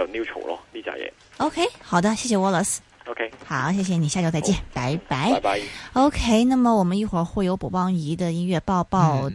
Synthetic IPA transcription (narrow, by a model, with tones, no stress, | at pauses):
o˨˩nju˥˧ʈ͡ʂʰo̰˨˩ʊlɔ̰˧˩li˥˩t͡ɕja̰˥jɛ̰˨˧˦ | o˧ʊkʰe˥ɪxɑ˨˩ʊd̪ə˦ɕjɛ˥˩ɕjɛ˨˩wɔ˥˩lə˧˥s | o˧kʰe˧˥ɪxɑ˨˩˦ʊɕjɛ˥˩ɕ̬jɛ˨˩ni˨˩ɕja˥˧t͡ɕo˥˧t͡sa˥˧t͡ɕjɛ˥˩npa˧˥ɪpa˧˥ɪ˧o˧˥ʊkʰe˥˩ɪna˥˩mə˨wɔ˨˩mə˦ni˥˩xwə˞˧˥xwe˥˩ɪjo˧˥ʊpu˨˩pɑ˥˩ŋi˧˥d̪ə˧˨i˥nɥɛ˥˧pɑ˥˧ʊpɑ˥˩˧ʊ